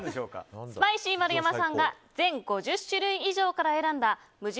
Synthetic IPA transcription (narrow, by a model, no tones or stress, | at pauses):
sɨmaiɕiːmaɾɯ̟jamasãŋɡa | d͡zẽ̞ŋɡo̞ʑɨɕːɨɾɯ̟̃ɰ̃iʑo̞ːkaɾae̞ɾãnd̪a | mɯ̟ʑi